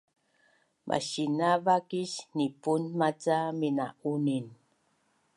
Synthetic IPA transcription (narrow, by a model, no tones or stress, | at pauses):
mʔa̰ɕinavakiɕnipunmat͡saminaʔunin